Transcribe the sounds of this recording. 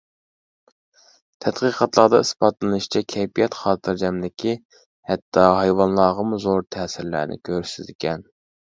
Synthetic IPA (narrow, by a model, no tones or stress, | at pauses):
t̪ʰɛd̪qiːqʰɑt̪lˠɑd̪ɑispɑt̪lˠɨnɨʃt͡ʃʰɛkʲʰɛjpijɛt̪χɑːt̪ʰɨɾd͡ʒɛmd̪ɪkʲʰi | hɛt̪ʰːɑɦɑjwɑnlˠɑːʁɑmuzoɾt̪ʰɛːsɪɾlæ̰ːnɪ̰kʲʰøɾsɪzɪkʲɛn